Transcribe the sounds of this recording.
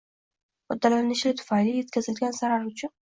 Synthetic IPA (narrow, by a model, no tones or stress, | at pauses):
χʊd̪ːalanɪʃlɪt̪ʰʊ̥fanlije̞t̪̚kʲʰazɪlɡʲansaɾaɾʊt͡ʃʰʊn